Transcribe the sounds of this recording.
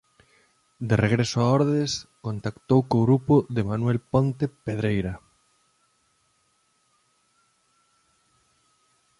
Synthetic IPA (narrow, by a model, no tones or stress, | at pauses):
d̪ereɣɾesoaɔɾðeskont̪akt̪owkoɣɾupoðemanwɛlpont̪epeð̞ɾejɾɐ